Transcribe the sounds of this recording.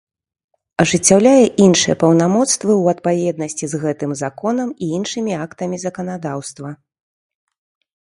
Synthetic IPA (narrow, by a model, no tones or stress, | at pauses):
ɐʐɨt͡sʲːawlʲajɛʔinʂɨjɛpɐwnamɔt̪st̪vɨwɐt̪̚pavʲɛd̪̚nɐsʲt͡sʲizɣɛt̪ɨmzakɔn̪ɐmiinʂɨmʲiakt̪ɐmʲizɐkɐn̪ad̪awst̪vɐ